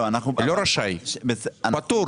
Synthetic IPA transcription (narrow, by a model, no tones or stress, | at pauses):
anaχnuloɾaʃajʃbesanpat̪u